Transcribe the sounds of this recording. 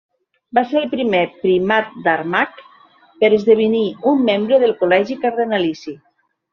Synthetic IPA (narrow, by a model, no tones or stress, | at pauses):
baseɾəlpɾimepɾimat̪̚d̪aɾmak | pəɾəzðeβ̞iniumːembɾəðəlˠkolɛʒikaɾðənalisi